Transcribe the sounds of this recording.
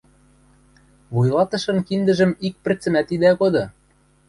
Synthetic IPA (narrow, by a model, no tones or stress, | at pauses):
βujlɑt̪ɤ̆ʃɤ̆nkind̪ɘ̆ʒɘ̆mik̚pɘ̆rt͡sɘ̆mæt̪id̪ækod̪ɤ̆